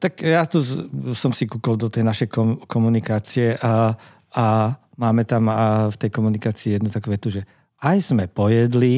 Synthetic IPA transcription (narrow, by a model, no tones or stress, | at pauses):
t̪akjat̪usɔmsikuːkɔld̪ɔt̪ɛjnaʃɛjkɔmkɔmunikaːt͡siɛʔa | a | maːmɛt̪amft̪ɛjkɔmunikaːt͡siːjɛd̪nut̪akuʋɛt̪uʒɛ | ajz̥mɛpɔjɛd̪li